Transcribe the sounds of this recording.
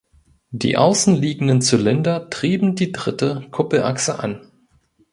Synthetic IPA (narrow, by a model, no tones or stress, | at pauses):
d̥ḭːʔa̰ʊsn̩liːɡŋ̩dənt͡sulɛndɐtʁ̥iːbm̩diːdʁɪtəkʰʊpl̩ʔa̰ksəʔa̰n